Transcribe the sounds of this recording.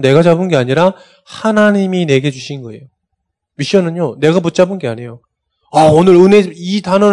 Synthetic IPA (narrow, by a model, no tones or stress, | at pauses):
ne̞ɡad͡ʑabɯnɡe̞aɲiɾa | hanaɲimine̞ɡe̞d͡ʑuɕʰinnɡʌe̞̰jo | miɕ͈ʌnɯɲone̞ɡaput̚t͡ɕ͈abɯnɡe̞aɲe̞jo | aonɯɾɯneitanʌ